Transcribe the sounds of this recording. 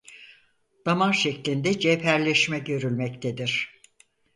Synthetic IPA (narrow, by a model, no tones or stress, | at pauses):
d̪̥amanʃeclʲind̪ɛd͡ʒepʰæɾlʲɛʃmɛɟø̞ɾylʲmɛct̪ʰed̪iɾ̥